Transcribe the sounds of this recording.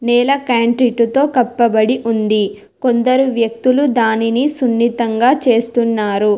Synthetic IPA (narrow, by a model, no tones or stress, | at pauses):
nɛːlɐkaːɳʈɾiʈːut̪o̞ːkɐpːɐbɐɽiʔund̪i | kond̪ɐɾuʋjɐk̚t̪ulud̪aːninisunːit̪ɐŋɡaːt͡ʃe̞ːst̪unːaːɾu